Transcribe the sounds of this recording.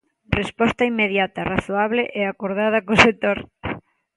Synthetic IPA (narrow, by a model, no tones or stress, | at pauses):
respɔst̪ɐimːeðjat̪ɐraθoaβleʔeakoɾðað̞ɐkoset̪oɾ